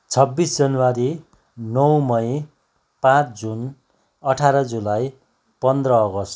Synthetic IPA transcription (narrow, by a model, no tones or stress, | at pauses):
t͡sʰʌbːisd͡zʌnuwaɾi | nʌwmʌj̃ | pãt͡sd͡zun | ʌʈʰaɾʌd͡zulaj | pʌnd̪rʌːɡʌst̪